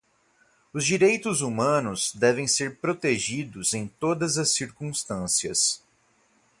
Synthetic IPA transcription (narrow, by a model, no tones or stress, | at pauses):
ʊzd͡ʒiɾejt̪ʊzumɐ̃nʊzd̪ɛvẽj̃seɾpɾot̪eʒid̪ʊzẽj̃t̪od̪ɐzɐsːiɾkũst̪ɐ̃siɐs